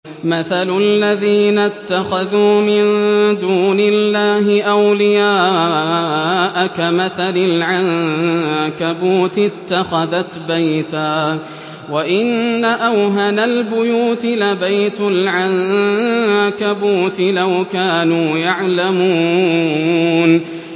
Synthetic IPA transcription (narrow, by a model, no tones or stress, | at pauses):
maθalʊlːaðiːnat̪ːaxaðuːmɪnd̪uːnɪlːaːɦɪʔawlɪjaː | ʔkamaθalɪlʕan | kabuːt̪ɪt̪ːaxaðat̪bajt̪aː | waʔɪnːaʔawɦanalbʊjuːt̪ɪlabajt̪ʊlʕan | kabuːt̪ɪlawkaːnuːjaʕlamuː | n